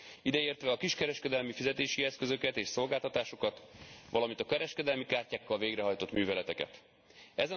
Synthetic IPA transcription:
id̪ɛeːrt̪ʋɛɒkiʃkɛɾɛʃkɛd̪ɛlmifizɛt̪eːʃiɛskø̞zø̞kɛt̪eːʃso̞lɡaːlt̪ɒt̪aːʃo̞kɒt̪ʋʔɒlɒmint̪ɒkɛɾɛʃkɛd̪ɛlmikaːrcaːkːɒlveːɡɾɛɦɒjt̪o̞t̪myːvɛlɛt̪ɛkɛ̰t̪ | ɛzɛ

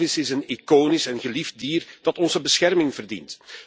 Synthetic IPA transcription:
ɪsɪsənikoːnɪsɛnɣəlivdiːrd̥ɑtɔnzəbəsxɛrmɪŋvərdḭnt

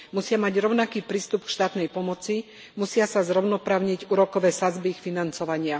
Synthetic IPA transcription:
musɪamaɟɾɔʊnakiːpɾiːst̪upkʃt̪aːt̪nɛjpɔmɔt͡si | musɪasazɾɔʊnɔpɾaːʊɲiɟuːɾɔkɔʋɛːsad͡zbixfinant͡sɔʋaɲɪa

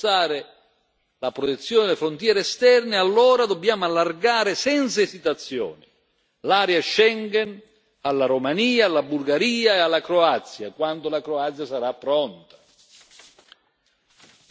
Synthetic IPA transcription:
aːɾɪ | lapɾot̪et̪sːjɔːnɪd̪elɪfɾont̪jɛːɾeɛst̪ɛrnɪalːɔːɾad̪obːjaːmʊalːarɡaːɾɪsɛnt̪saɛsit̪at̪sːjɔ̰ːnɪ | laːɾjaʃɛŋɡɛn | alːaɾomaniːalːabulɡaɾiːaealːakɾoat̪sːja̰kwand̪ʊlakɾoat̪sjasaɾapːɾɔnt̪ḁ

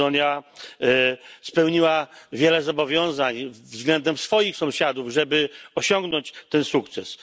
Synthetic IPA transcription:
ɔnʲja | spɛwɲiwavʲjɛlɛzɔbɔvʲjɔ̃w̃zaɲvzɡlɛnd̪ɛmsfɔjixsɔ̃w̃ɕad̪uvʐɛbɘɔɕɔ̃ŋɡnɔɲt͡ɕt̪ɛnsuk̚t̪sɛs

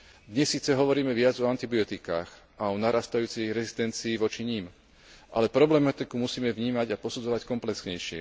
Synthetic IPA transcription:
d̪ɲɛsːiːt͡sɛɦɔʋɔɾiːmɛʋɪad͡zɔant̪ibiɔt̪ika̰ːx | aɔnaɾaːst̪ajuːt͡sɛjɾɛzist̪ɛnt͡siːʋɔt͡ʃiɲiːm | ʔa̰lɛpɾɔblɛmat̪ikumusiːmɛvɲiːmaɟapɔsud͡zɔʋackɔmplɛksɲɛjʃɪɛ̰

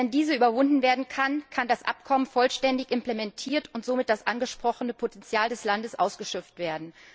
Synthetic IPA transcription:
ɛndiːzəʔyːbɐvʊndn̩veːɐdn̩kʰankʰandasʔa̰pkʰɔmənfɔlʃtɛndɪçʔɪmplemɛntʰiːɐtʊntz̥oːmɪt̚d̥asʔanɡəʃpʁ̥ɔχənəpʰotʰɛnt͡sjaːldɛslandəsʔa̰ʊsɡ̥əʃœp͡ftv̥eːɐdn̩

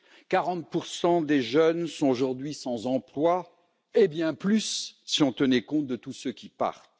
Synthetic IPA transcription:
kaʁɑ̃t̪̚puʁsɑ̃d̪eʒœnsɔ̃oʒuʁd̪ɥisɑ̃zɑ̃plwa | ebjɛ̃plysːiɔ̃t̪ənɛkɔ̃t̪̚d̪ət̪usøkʲipa̰ʁt̪

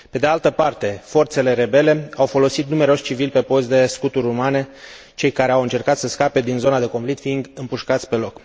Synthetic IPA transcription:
pe̞d̪ealt̪əpart̪e̞fo̞rt̪se̞le̞ɾe̞be̞le̞awfo̞lo̞sit̪nume̞ɾeo̞ʃt͡ʃivilpe̞po̞st̪d̪e̞skut̪uɾʲumane̞ | t͡ʃe̞jkaɾe̞awɨnt͡ʃe̞rkat̪səskape̞d̪inzo̞nad̪e̞koɱflik̚t̪fiind̪ɨmpuʃkat̪sʲpe̞lo̞k

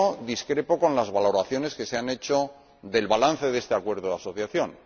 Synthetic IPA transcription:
oðiskɾe̞po̞ko̞nlazβalo̞ɾaθjo̞ne̞ske̞seane̞t͡ʃo̞ | ðe̞lβalan̟θe̞ðe̞st̪eakwe̞ɾðoðaso̞θjaθjo̞n

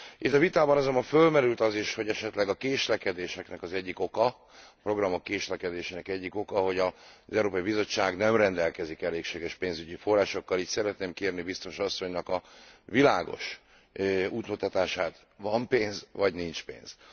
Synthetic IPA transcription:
it̪ːɒvit̪aːbɒnɒzombɒɱfølmɛɾylt̪ɒziʃho̞ɟɛʃɛt̪lɛɡɒkeːʃlɛkɛd̪eːʃɛknɛkɒzɛɟːiko̞kɒ | pro̞ɡrɒmo̞kːeːʃlɛkɛd̪eːʃeːnɛkɛɟːiko̞kɒɦo̞ɟɒzɛuɾoːpɒibizo̞t͡ʃːaːɡnɛmrɛnd̪ɛlkɛzikɛleːkʃeːɡɛʃpeːnzyɟifo̞rːaːʃo̞kːɒliːcsɛɾɛt̪neːmkeːrnibist̪o̞ʃɒsːo̞ɲnɒkɒvilaːɡo̞̰ʃ | uːt̪mut̪ɒt̪aːʃaːt̪ | vɒmpeːnzvɒɟnint͡ʃpḛːnz̥

